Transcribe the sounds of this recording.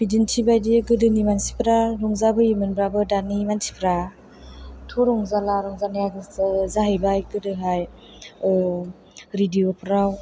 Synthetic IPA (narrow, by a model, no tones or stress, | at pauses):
bidintʰibajdiɡɯdɯnimansi̥pʰɾaɾɔŋzabɯimɯnbɾabɯdanimansi̥pʰɾa | tʰɔɾɔŋzalaɾɔŋzaniaɡzaɦebajɡɯdɯɦaj | ɾidiopʰɾaw